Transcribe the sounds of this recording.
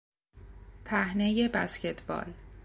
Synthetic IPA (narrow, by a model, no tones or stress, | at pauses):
pʰæhne̞je̞bæsce̞t̪ʰbɒ̰ːl